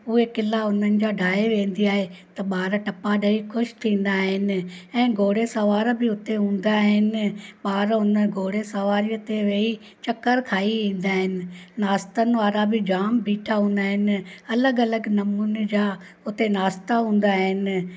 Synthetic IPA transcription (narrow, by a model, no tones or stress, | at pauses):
ʊekɪlaʊn̤ənɪ̆d͡ʑaːɖʱaːeʋẽːn̆d̪iaːɦet̪ɐɓaːɾʈɐpaɗɐikʰʊʃt̪ʰĩːn̆d̪aːɦɪnɪ̆ɛ̃ːɡʱoːɽesɐʋaːɾbɪʊt̪eɦũːn̆d̪aɦɪnɪ̆ɓaːɾʊnəɡʱoːɽesɐʋaːɾijət̪eʋeːi | t͡ɕɐkəɾkʰaːiʋĩːn̆d̪aːɦɪnɪ̆naːst̪ənɪ̆ʋaːɾabɪd͡ʑaːmbʱiːʈʰaɦũːn̆d̪aːɦɪnɪ̆ɐləɡɐləɡnɐmuːnd͡ʑaː | ʊt̪enaːst̪aɦũːn̆d̪aːɦɪnɪ̆